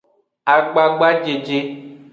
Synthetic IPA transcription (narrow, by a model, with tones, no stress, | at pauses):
a˨ɡ͡ba˨ɡ͡ba˦d͡ʒe˨d͡ʒe˦